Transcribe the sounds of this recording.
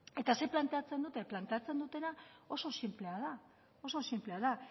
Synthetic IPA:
e̞t̪ase̞plant̪e̞at͡se̞nd̪ut̪eplant̪e̞at͡se̞nd̪ut̪e̞nao̞so̞simple̞aða | o̞so̞simple̞að̞a

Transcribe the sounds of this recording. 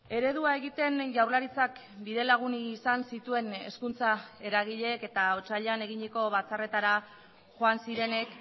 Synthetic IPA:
e̞ɾe̞ðuae̞ɣit̪e̞nʝawɾlaɾit͡sak | biðe̞laɣ̞uniːsansit̪ue̞ne̞skunt͡sae̞ɾaɣ̞iʎe̞ke̞t̪ao̞t͡ʃaʎane̞ɣiɲeko̞βat͡sare̞t̪aɾa | ʝo̞ansiɾe̞ne̞k

